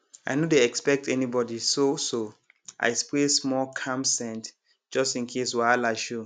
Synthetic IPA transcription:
aɪnodeɛkspɛk̚tɛnibɔdisoso | ʔa̰ɪspɹesmɔlkʰãmsɛ̃nt | d͡ʒɔstĩnkʰeswalaʃu

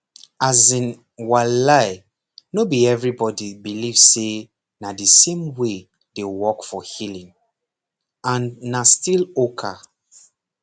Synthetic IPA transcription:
azĩn | walaɪ | nobiɛvɹibɔdibilivse | nadəsẽmwe | dewɔkfɔhilĩŋ | ãnːastilokʰa

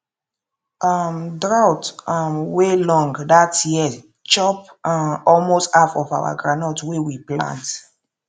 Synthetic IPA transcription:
ʔamdɹaʊtamwelɔ̃ŋɡdatji | t͡ʃɔpaɔlmostafɔva̰wa̰ɡɹanɔtwewiplã̰nt

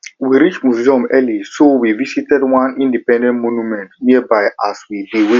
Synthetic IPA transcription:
wiɾit͡ʃmuziɔ̃mɛlisowivisitɛdwãnĩndipɛ̃ndɛ̃nntmonumɛ̃ntniɛbaɪʔaswidiwi

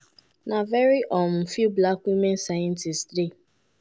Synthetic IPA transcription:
navɛɾiʔɔm̩fiblakwimensajɛn̩tɪsde

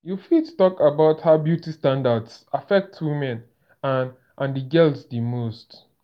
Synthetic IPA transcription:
jufitu̥tɔkabaʊthaʊbjutistãndadsafɛk̚tʰwimɛ̃n | an | ʔãndiɡɛlsdimost

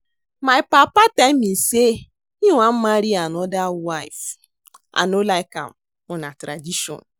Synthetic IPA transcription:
maɪpapatamise | iwʷam̩maɾianɔdawaif | a̰nolaɪka̰m | ʊnatɾadiʃɔ̰n

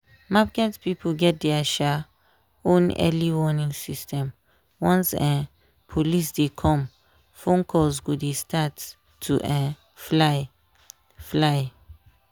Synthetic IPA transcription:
mapɡɛtpipʰoɡɛt̚dɛaʃa | õnɛ̰liwɔnĩŋsistɛ̃m | wɔ̃nsɛ̃ | pʰolisdekʰɔ̃m | fɔ̃ŋkʰɔzɡodestʰatʰː | uʔɛ̃ | fa | flaj

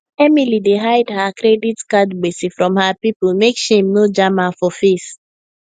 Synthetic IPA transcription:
ɛmilideɦaɪdhakɾɛditkadɡ͡besifɹɔ̃mhapipl̩mekʃemnod͡ʒamafɔfes

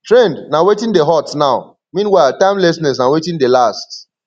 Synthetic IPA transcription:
tɹẽndnawetĩndeɦɔtnaʊ | mĩnwaɪltãɪ̃mlɛsnɛs̬nawetĩndelast

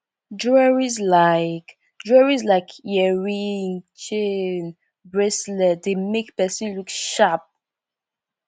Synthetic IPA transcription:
dɹɛɹizlaɪk | dɹɛɹizlaɪkʰjɛɹint͡ʃen | bɹɛslɛdemekpɛsĩnlukʃap̚

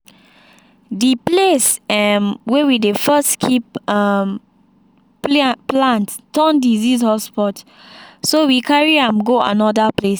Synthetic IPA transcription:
diplesɛmwɛwidefəskʰip̚am | plãnttɔ̃ndizishɔspɔt | sowikaɹiãmɡoa̰nɔdəples

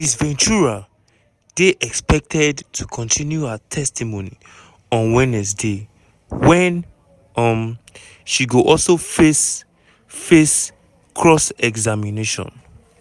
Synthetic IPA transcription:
disvɛ̃nt͡ʃuɹa | d̥eʔɛkspɛk̚tʰɛdtʰukʰɔ̃ntʰĩnjuatʰɛstʰimõni | ɔ̃nwɛ̃nɛs̬de | wɛ̃n | ʌm | ʃiɡoʔɔlsofes | fes | kʰɹɔsɛɡzamineʃɔ̰̃n

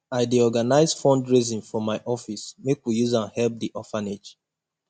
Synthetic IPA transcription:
aɪdiɔɡanaɪzfɔ̃ndɹizĩnfɹɔ̃maɪʔɔfismekwijuzãnhɛlp̚diʔɔfaned͡ʒ

